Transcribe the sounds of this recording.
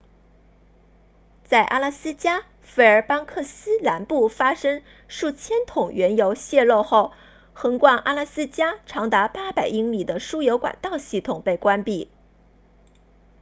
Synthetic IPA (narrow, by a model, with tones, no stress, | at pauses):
t͡sa˥˩ɪʔa̰˥la˥˩sɹ̩˥t͡ɕja˥ | fe˧˥˩ə˞˧˥pɑ˥ŋkʰɤ˥˩sɹ̩˥la˧˥npu˥˩fa˥ʂɤ˥ŋ | ʂu˥˩t͡ɕʰjɛ˥nt̪ʰʊ˨˩ŋɥɛ˧˥njo˧˥ʊɕjɛ˥˧lo˥˧ʊxo˥˩ʊ | xɤ˧˥ŋkwa˥˩nʔa˥la˥˧sɹ̩˥t͡ɕja˥ʈ͡ʂʰɑ˧˥ŋt̪a˧˥pa˥pa˨˩ɪi˥ŋli˨˩d̪ə˦ʂu˥jo˧˥ʊkwa̰˨˩nt̪ɑ˥˧ʊɕi˥˩t̪ʰʊ˨˩ŋpe˥˩ɪkwa˥npi˥˩